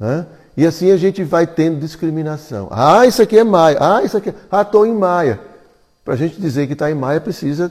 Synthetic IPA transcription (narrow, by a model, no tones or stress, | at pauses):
nɛ | ɪasĩɐʒẽt͡ʃɪvajt̪ẽnd̪ʊd̪iskɾimĩnasɐ̰̃w̃a̰isʊakiɛmajɐʔaisʊakiat̪oẽj̃majɐ | pɾɐʒẽnt͡ʃɪd̪izeɾkɪt̪aẽj̃majɐpɾesizɐ